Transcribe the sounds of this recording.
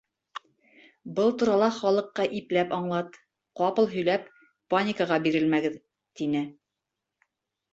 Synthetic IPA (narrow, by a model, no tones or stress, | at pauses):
bɤlˠt̪uɾɑlˠɑχɒlˠɤ̆qːɑʔiplæpɑɴlˠɑt̪ | qɑpɤ̆lˠɦɵ̆jlæpː | anʲɪkəʁɑbiɾɘlmæɡɘð | t̪inɘ